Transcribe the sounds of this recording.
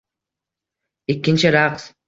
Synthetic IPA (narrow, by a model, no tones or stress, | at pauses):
ɪkʲːɪnt͡ʃɪɾɑqs